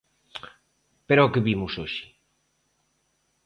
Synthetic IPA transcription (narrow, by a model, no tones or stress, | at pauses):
peɾookeβimusoʃi̥